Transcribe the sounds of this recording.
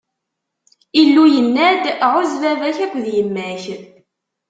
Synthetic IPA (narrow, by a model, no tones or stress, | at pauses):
ilːujənːæd̪ʕʊzvævæçækʷːðjəmːæç